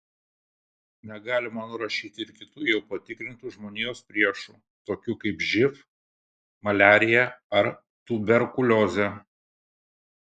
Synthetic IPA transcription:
nʲɛɡɑːlʲɪmɐnʊɾɐʃʲiːt̪ʲɪɪɾkʲɪt̪ujɛʊpɐt̪ʲɪkɾʲɪnt̪uʒmoːnʲijoːspʲɾʲiɛʃuː | t̪oːkʲuːkɐɪpʒʲɪf | mɐlʲæːɾʲɪjɛɐɾ | t̪ʊbʲɛɾkʊlʲoːzʲɛ

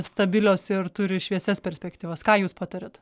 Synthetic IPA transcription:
st̪ɐbʲɪlʲoːsɪɾt̪ʊɾʲɪʃʲʋʲiɛsʲɛspʲɛɾʲsʲpʲɛkt̪ʲiːʋɐskɑːjuːspɑːt̪ɐɾʲɛt̪

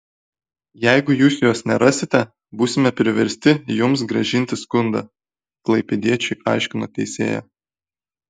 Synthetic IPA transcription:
jɛɪɡʊjuːsjoːsnʲɛɾɑːsʲɪt̪ʲɛ | buːsʲɪmʲɛpʲɾʲɪʋʲɛɾʲsʲt̪ʲɪjʊmsɡɾɐʒʲɪnʲt̪ʲɪskʊnd̪ɐ̰ | klˠɐɪpʲɛd̪ʲiɛt͡ʃʲʊɪʔɑˑɪʃʲkʲɪnoːt̪ʲɛɪsʲḛːjæ̰

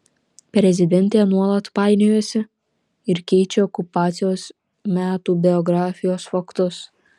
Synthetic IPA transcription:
pʲɾʲɛzʲɪd̪ʲɛnʲt̪ʲeːnuɔlˠɐt̪pɑɪnʲɪjusʲɪ | ɪɾkʲɛɪt͡ʃʲɛɔkʊpɑːt̪sʲɪjoːs | mʲæːt̪uːbʲɛɔɡɾɑːfʲɪjoːsfɐkt̪ʊs

